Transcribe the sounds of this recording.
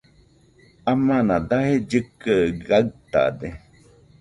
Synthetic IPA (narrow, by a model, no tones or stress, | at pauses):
amãnãd̪ahed͡ʒɨkəɡaɨt̪a̰d̪e